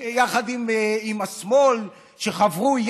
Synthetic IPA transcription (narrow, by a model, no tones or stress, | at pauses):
jaχad̪imimasmo̞l | ʃeχavʁuj